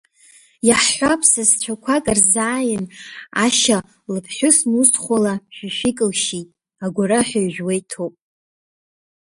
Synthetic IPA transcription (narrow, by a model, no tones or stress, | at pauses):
jaħħʷapʰsast͡ɕʷʰakʷʰakʼɨrzaːjɪnaʃa | lɨpʰħʷᶣʊsnustʰχʷalaʃᶣaʃʷᶣikʼɨlʃitʼ | aɡʷaɾaħʷᶣaɥʒᶣwejtʰopʼ